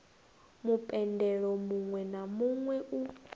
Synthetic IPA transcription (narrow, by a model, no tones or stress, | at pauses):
mupʼɛndɛɺɔmuŋwɛnamuŋwɛʔu